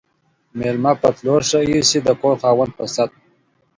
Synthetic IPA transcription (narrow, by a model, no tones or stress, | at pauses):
melmapat̪loːɾʂaisid̪əkoːɾxɑːwən̚pəsat̪̚